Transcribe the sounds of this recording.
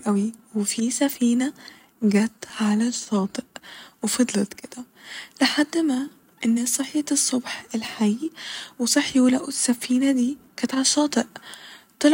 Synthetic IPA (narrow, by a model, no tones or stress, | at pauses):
ʔæwiwefisæfiːnæ | ɡæːt̪ʕalæʃːɑːt̪ˤeʔwefɑd̪ˤlɑt̪ked̪̥æ | leħad̪ːmæː | ʔenːsˤɨħjɑt̪sˤːobħelħajwesˤɨħːiwulæʔusːæfiːnæd̪iːkæt̪ʕalæʃːɑːt̪ˤeʔt̪ˤɑl